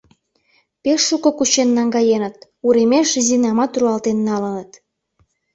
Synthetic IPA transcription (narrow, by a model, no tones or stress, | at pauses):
peʃːukŏkut͡ɕenːɑŋɡɑjenə̆t̪̚ | uɾemeʃzinɑmɑt̪ruɑlt̪enːɑlənət̪